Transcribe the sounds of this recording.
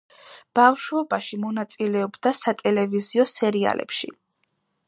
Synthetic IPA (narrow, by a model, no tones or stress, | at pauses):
b̥avʃwɛbaʃimɔnat̪sʼilɛɔbd̪asat̪ʼɛlɛviziɔsɛɾia̰lʔɛ̰pʃḭ